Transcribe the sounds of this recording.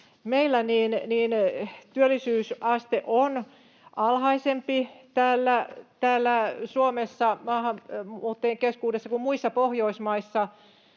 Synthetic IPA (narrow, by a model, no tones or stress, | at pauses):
meilːæniːnniːnt̪yølːˑisyːsʔɑst̪eʔon | ʔɑlhɑisempit̪æːlːæt̪æːlːæsuomesːɑmɑːhɑmuːt̪ːeːŋkeskuːdesːɑkummuisːɑpohjoismɑisːɑ